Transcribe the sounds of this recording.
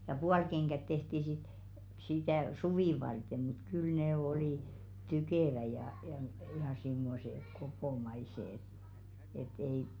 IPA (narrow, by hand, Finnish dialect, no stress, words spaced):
jɑ puɑlkeŋɡ̊æt tehti sit sitæˑ suʋiˑ ʋɑrte mut kyl neˑ oli tykeˑʋæ jɑ jɑˑ m jɑ simːose kopomɑise ĕt et ei